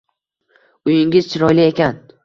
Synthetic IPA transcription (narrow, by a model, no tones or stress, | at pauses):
ʊjɪŋʲɪz̥t͡ʃʰɪɾɒjliekʲan